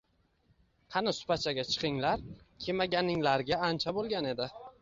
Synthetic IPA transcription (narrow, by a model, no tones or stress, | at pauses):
qʰɑnɪsʊ̥pat͡ʃʰaɡʲat͡ʃʰɨ̥qʰɪŋlaɾkʲʰe̞maɡʲanɪŋlaɾɡʲaant͡ʃʰabolˠɡʲane̞d̪ɪ